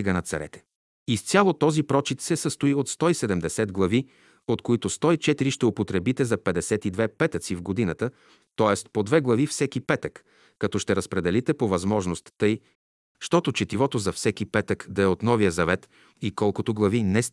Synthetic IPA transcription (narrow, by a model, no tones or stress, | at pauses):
iɡənɐt̪sɐɾɛ̰t̪ɛ̥ | ist̪sʲjalˠot̪ɔzipɾɔt͡ʃit̪sɛsəst̪oiot̪st̪ɔisɛd̪ɛmd̪ɛsɛd̪ɡlˠɐvi | ot̪koit̪ʊst̪ɔit͡ʃɛt̪iɾiʃt̪ɛopot̪ɾɛbit̪ɛzɐpɛd̪ɛsɛt̪id̪vɛpɛt̪ət̪sivɡod̪inət̪ə | t̪ɔɛst̪pod̪vɛɡlˠɐvifsɛk̟ipɛt̪əkː | ɐt̪ɔʃt̪ɛɾɐspɾɛd̪ɛlit̪ɛpovɐzmɔʒnost̪ːɤj | ʃt̪ɔt̪ot͡ʃɛt̪ivɔt̪ozɐfsɛkʲipɛt̪əkd̪ɐɛot̪nɔvijəzɐvɛt̪ | ikɔlˠkot̪oɡlˠɐvinɛs